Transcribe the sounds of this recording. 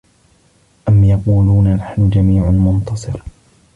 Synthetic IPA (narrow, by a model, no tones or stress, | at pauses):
ʔamjɑquːluːnanaħnd͡ʒamiːʕmʊnt̪ɑsˤɨɾ